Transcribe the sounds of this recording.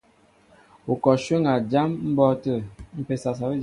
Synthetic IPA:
u˨kɔ˨ʃə˦ŋa˨d͡ʒa˦mm̩˦bɔ˦tə˦˨m̩˦pe˨sa˨s̬a˨bə˦

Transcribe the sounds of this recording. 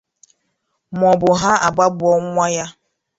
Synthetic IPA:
mɔ˨bʊ˨ɦa˦ʔa˨ɡ͡ba˦bʊ˨ɔ˦ŋʷ˦a˦ja˦

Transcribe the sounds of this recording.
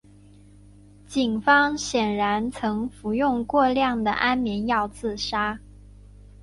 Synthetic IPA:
t͡ɕi˨˩ŋfɑ˥ŋɕjɛ˨˩nɻa˧˥nt͡sʰɤ˧˥ŋfu˧˥jʊ˥˧ŋkwɔ˥˧ljɑ˥˩ŋd̪ə̰˩ʔa˥nmjɛ˧˥njɑ˥˧ʊt͡sɹ̩˥˩ʂa˥

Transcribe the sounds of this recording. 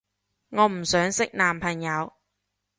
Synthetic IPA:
ŋɔː˨˧m̩˨˩sœː˨˥ŋsɪ˥k̚naː˨mpʰɐ˨˩ŋjɐ˨˧w

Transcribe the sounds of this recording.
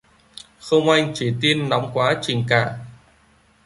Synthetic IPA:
xə˧wŋ͡mʔa˧jŋ̟t͡ɕi˧˩t̪i˧ənːɔ˨˦wŋ͡mkwaː˨˦t͡ɕï˨˩ŋ̟kaː˧˩

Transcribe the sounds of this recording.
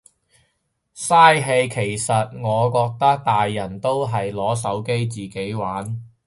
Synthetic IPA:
saː˥jɦe˧jkʰe˨˩jsɐ˨t̚ŋɔː˨˧kɔː˧k̚t̪ɐ˥k̚t̪aː˨jːɐ˨˩nt̪o˥wɦɐ˨jlɔː˨˥s̬ɐ˨˥wke˥jt͡siː˨˩ke˨˥jwaː˨˥n

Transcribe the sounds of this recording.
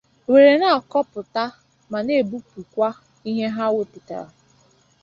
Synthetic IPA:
we˨ɾe˨na˦a˨kɔ˦pʊ˨ta˦ | ma˨ne˦˨bu˦pu˨kʷa˦ | i˦ɦe˦ɦa˦we˦pi˨ta̰˨ɾa̰˨

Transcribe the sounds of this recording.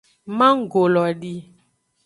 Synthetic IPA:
mã˦ŋ̩˦˨ɡo˨lɔ˨ɖi˦

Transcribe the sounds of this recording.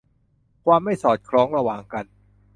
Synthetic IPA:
kʰwaː˧mːa˥˩jsɔː˨˩t̪̚kʰɾɔː˦˥ŋɾa˧waː˨˩ŋka˧n

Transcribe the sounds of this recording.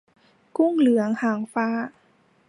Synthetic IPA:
ku˥˩ŋlɯ˨˩˦ɐəŋhaː˨˩˦ŋfaː˦˥˩

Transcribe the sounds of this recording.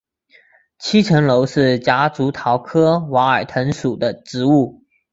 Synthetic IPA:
t͡ɕʰi˥ʈ͡ʂʰə˧˥ŋlo˧˥ʊʂɻ̩˥˩t͡ɕja˧˥t͡su˧˥t̪ʰɑ˧˥ʊkʰɤ˥wa˧˥ə˞˨˩t̪ʰə˧˥ŋʂu˨˩d̪ə˦ʈ͡ʂɻ̩˧˥u˥˩

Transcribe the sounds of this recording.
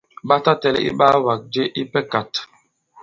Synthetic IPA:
ɓa˦ta˦tɛ˦lɛ̰˦ʔḭ˦ɓa˦wa˨k̚d͡ʒe˦ʔi˦pɛ˦ka˨t

